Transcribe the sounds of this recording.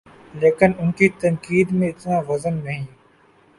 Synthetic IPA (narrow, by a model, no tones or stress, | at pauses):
leːkɪnʊnkiːt̪əŋkiːd̪mẽːɪt̪nãːʋəzənːɐɦĩː